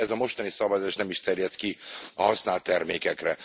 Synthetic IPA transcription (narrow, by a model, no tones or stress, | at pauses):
ɛzɒmo̞ʃt̪ɒnisɒbɒzaːʃnɛmiʃt̪ɛrjɛt̪kiɒ̰ɦɒsnaːlt̪ːɛrmeːkɛkrɛ